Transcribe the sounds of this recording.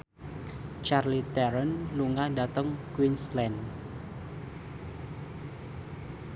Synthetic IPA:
t͡ʃarlit̪ɛɾənluŋadat̪əŋkwinslɛn

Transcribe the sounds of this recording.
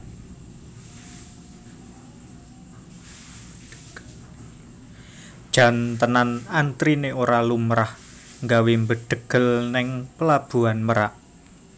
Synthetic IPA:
d̥ʒ̥ä̤nt̪ənanant̪ɾineoɾalumɾah | ŋɡawembəɖ̪̥ə̤ɡ̥ə̤lnɪŋpəlab̥ṳanməɾaʔ

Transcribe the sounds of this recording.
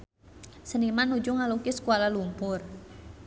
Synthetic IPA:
sənimanːud͡ʒuŋalukisə̥kuwalalumpʊr

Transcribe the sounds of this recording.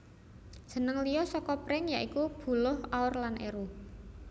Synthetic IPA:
d̥ʒ̥ə̤nəŋlijɔsɔkɔpɾɪŋjaʔikub̥ṳlʊhaʊrlanʔḛɾu

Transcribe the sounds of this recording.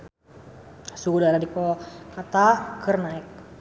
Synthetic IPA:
suɡudaɾadikokat̪akərnaɪk̚

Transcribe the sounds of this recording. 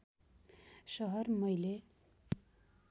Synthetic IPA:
ʃʌɦʌrmʌjle

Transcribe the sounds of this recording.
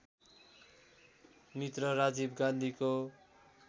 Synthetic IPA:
mit̪rʌɾad͡zibɡãnd̪ʱiko

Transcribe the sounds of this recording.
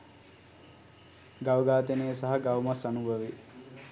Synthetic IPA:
ɡawɡaːt̪enejəsaɦɐɡawmasanubʱəʋi

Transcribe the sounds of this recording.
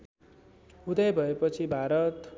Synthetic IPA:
ud̪ʌjbʱʌepʌt͡sʰibʱaɾʌt̪

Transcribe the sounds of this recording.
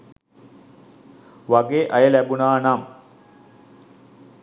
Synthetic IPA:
ʋaɡeːʔajəlæbunaːnam

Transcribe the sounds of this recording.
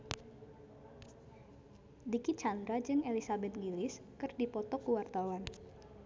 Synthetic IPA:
dikit͡ʃand̪ɾad͡ʒɨŋelisabɛt̪̚ŋilɪs | kɨrdipɔt̪ɔkuwart̪awan

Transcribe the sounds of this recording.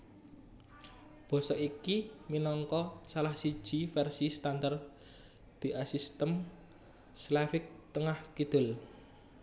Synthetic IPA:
b̥ɔ̤sɔʔikiminɔŋkɔsalahsi̥ʒ̥ifɛrsist̪and̪ar | d̪̥i̤ʔasist̪əm | slafɪk̚t̪əŋahkid̪̥ʊl

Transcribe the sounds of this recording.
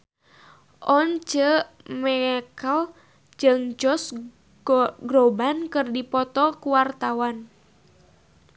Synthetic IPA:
ʔɔnt͡ʃə | mɛkəl | d͡ʒɨŋd͡ʒɔs | ɡɾɔbankɨrdipɔt̪ɔkuwart̪awan

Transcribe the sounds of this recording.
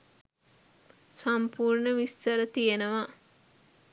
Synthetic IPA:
sampuːɾɳəʋisːəɾət̪ijenəʋa

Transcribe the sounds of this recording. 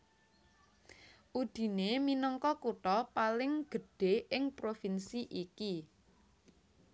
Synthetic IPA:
ʔud̪̥i̤neminɔŋkɔkuʈ̪ɔpalɪŋɡ̥ə̤ɖ̥e̤ɪŋpɾofinsiʔiki

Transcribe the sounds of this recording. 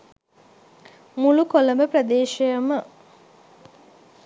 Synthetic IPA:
mulukoləməprɐd̪eːʃejəmə

